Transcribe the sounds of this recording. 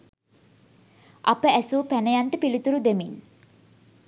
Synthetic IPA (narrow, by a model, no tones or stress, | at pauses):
ʔapəæsuːpænəjanʈəpilit̪uɾud̪emin